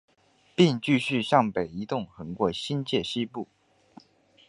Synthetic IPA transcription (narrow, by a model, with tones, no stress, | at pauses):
pi˥˧ŋt͡ɕy˥˧ɕy˥˧ɕjɑ˥˩ŋpe˨˩ɪi˧˥t̪ʊ˥˩ŋxɤ˧˥ŋkwɔ˥˩ɕi˥nt͡ɕjɛ˥˩ɕi˥pu˥˩